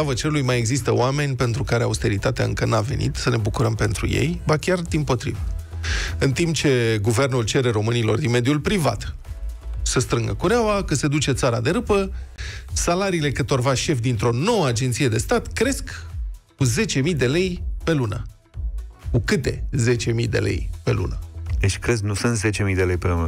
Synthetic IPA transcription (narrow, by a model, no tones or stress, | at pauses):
avət͡ʃeɾulujmajeɡzist̪əoame̞nʲpe̞nt̪ɾukaɾea̰ust̪e̞ɾit̪at̪ea̰ɨŋkənave̞̰nḭt̪səne̞bukuɾəmpe̞n̪t̪ɾṵjḛjbakʲard̪inpo̞t̪ɾḭvə | ɨnt̪imp̚t͡ʃe̞ɡuve̞rnult͡ʃe̞ɾe̞ɾo̞mɨnilo̞̰rd̪inme̞d̪julpɾiva̰t̪ | səst̪ɾɨŋɡə̰kuɾeawakəse̞d̪ut͡ʃe̞t̪saɾa̰d̪e̞ɾɨpə | salaɾiːle̞kɨt̪o̞rvaʃe̞fd̪int̪ɾo̞no̞wəad͡ʒent̪sije̞d̪e̞st̪at̪kɾe̞skkuze̞t͡ʃe̞mijd̪e̞le̞jpe̞lunə̰ | kukɨt̪e̞̰ze̞t͡ʃe̞mḭjd̪e̞̰lḛjpe̞̰lṵnəd̪et͡ʃʲkɾe̞sknusɨnt̪zet͡ʃe̞mijd̪e̞lejpelunə